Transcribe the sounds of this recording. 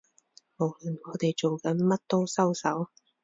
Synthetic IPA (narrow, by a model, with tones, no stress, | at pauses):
mo˨˥wlɵ˨nŋɔː˨˧t̪e˨jt͡ʃo˨wkɐ˨˥nmɐ˥t̚t̪o˥wsɐ˥wsɐ˨˥w